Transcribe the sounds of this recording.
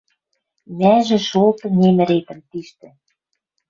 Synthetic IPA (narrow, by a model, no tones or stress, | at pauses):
mæʒĕʃolt̪ɤ̆nʲemɘ̆ɾet̪ə̆mt̪iʃt̪ɘ̆